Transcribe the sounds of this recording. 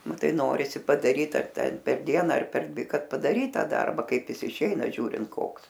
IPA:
ˈnʊ ˈtɐɪ ˈnoːrʲɪsʲɪ pɐdɐˈrʲiːt ɐr ˈtʲɛn pʲɛr ˈdʲiɛnɐ ɐr pʲɛr ˈdʲʋʲɪ ˈkɐt pɐdɐˈrʲiːt ˈtɑː ˈdɐrbɐ ˈkɐɪp ˈjɪs ɪˈʃʲɛɪnɐ ˈʒʲuːrʲɪnt ˈkoːks

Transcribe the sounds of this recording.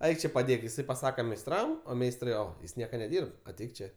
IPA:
ˈɐɪk t͡ʃʲeː pɐˈdʲeːk ɪˈsɐɪ pɐˈsɑːkɐ mʲɛɪsˈtrɐm oː ˈmʲɛɪstrɐɪ ˈoː ˈjɪs ˈnʲiɛkɐ nʲɛˈdʲiːrp ɐˈtʲɛɪk ˈt͡ʃʲeː

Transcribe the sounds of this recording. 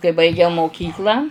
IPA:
kɐɪ bɐɪˈɡʲɛʊ moːˈkʲiːklˠɑː

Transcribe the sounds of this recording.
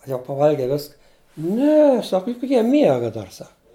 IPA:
ɐ jɛʊ pɐˈʋɐlʲɡʲɛɪ ˈʋʲɪskɐ ˈnʲɛ ˈsɐk ˈjʊk ˈjiɛ ˈmʲiɛɡɐ ˈdɐr ˈsɐk

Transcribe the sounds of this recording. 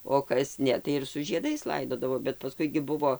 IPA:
oː kɐs ˈnʲɛ tɐɪ ɪr sʊ ʒʲiɛˈdɐɪs ˈlˠɐɪdoːdɐʋoː bʲɛt pɐˈskʊɪ ɡʲɪ ˈbʊʋoː

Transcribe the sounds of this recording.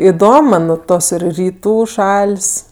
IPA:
ɪˈdoːm mɐn ˈtoːs ɪr rʲiːˈtuː ˈʃɐlʲsʲ

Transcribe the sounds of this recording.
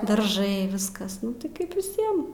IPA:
dɐrˈʒɐɪ ˈʋʲɪskɐs ˈnʊ tɐɪ ˈkɐɪp ʋʲɪˈsʲiɛm

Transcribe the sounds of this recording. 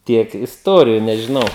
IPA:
ˈtʲiɛk ɪsˈtuɔrʲɪjʊ nʲɛʒʲɪˈnɐʊ

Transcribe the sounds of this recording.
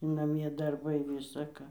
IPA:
nɐˈmʲiɛ dɐrˈbɐɪ ˌʋʲɪsɐ ˈkɑː

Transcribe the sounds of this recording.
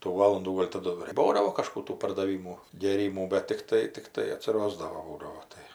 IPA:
tuː ˈʋɑːlˠʊnduː ˈɡoːlʲ tɐˈdʊ ɪr ˈbuːdɐʋoː kɐˈʃkuː ˈtuː pɐrdɐˈʋʲiːmuː ɡʲeːˈrʲiːmuː bʲɛt tʲɪkˈtɐɪ tʲɪkˈtɐɪ ɐtʲsʲɪˈroːzdɐʋoː ˈbuːdɐʋoː ˈtɐɪ

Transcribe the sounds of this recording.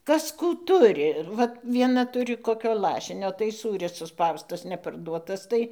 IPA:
ˈkɐs ˈkuː ˈtʊrʲɪ ɪr ʋɐt ʋʲiɛˈnɐ ˈtʊrʲɪ koːˈkʲoː ˈlˠɑːʃʲɪnʲoː tɐɪ ˈsuːrʲɪs sʊˈspɐʊstɐs nʲɛpɐrˈduɔtɐs ˈtɐɪ

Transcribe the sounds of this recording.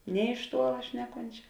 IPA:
nʲeː ɪʃ ˈtuɔlˠɐ ˈʃʲnʲæːˌkoːnʲt͡ʃʲɛ

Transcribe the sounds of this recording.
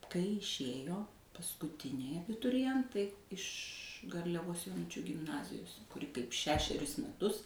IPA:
kɐɪ ɪʃʲˈeːjoː pɐskʊˈtʲɪnʲɛɪ ɐbʲɪtʊrʲɪˈjɛntɐɪ ɪʃ ɡɐrʲlʲɛˈʋoːs joːˈnʊt͡ʃʲuː ɡʲɪmˈnɑːzʲɪjoːs kʊˈrʲɪ kɐɪp ˈʃʲæːʃʲɛrʲʊs mʲɛˈtʊs

